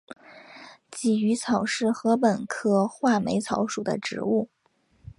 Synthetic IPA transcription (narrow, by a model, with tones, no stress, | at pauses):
t͡ɕi˨˩y˧˥t͡sʰɑ˨˩ʊʂɻ̩˥˩xɤ˧˥p̬ə˨˩nkʰɤ˥xwa˥˩me˧˥ɪt͡sʰɑ˧˥ʊʂu˨˩d̪ə̰˦ʈ͡ʂɻ̩˧˥u˥˩